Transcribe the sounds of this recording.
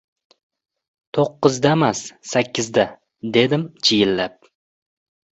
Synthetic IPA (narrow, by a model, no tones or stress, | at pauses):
t̪ʰoqːɨzd̪amasːakʲʰːɪzd̪a | d̪e̞d̪ɪmt͡ʃʰijɪlːap̚